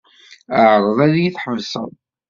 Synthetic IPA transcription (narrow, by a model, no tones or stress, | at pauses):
əʕɾˤəðˤæðjiθħəvsə̰ðˤ